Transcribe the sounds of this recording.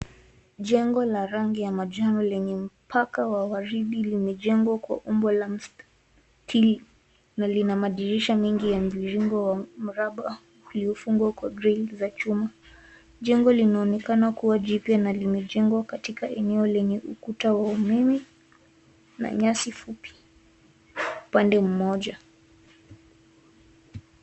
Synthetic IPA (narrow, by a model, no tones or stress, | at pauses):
ʄɛŋɡɔlaɾaŋɡijamaʄanɔlɛɲɛm̩pʰakawaɣaɾiɗilimɛʄɛŋɡwakwa̰ʔumbɔlam̩s | tʰili | nalinamaɗiɾiʃamɛŋɡijam̩iɾiŋɡɔwam̩ɾaɓa | uliɔfuŋɡwakwaɡɾɛlzat͡ʃuma | ʄɛŋɡɔlinaɔnɛkanakuwaʄipjanalimɛʄɛŋɡwakatikaʔɛnɛɔlɛɲɛʔukutawaumimi | na̰ɲasifupjḁ | upandɛm̩mɔʄa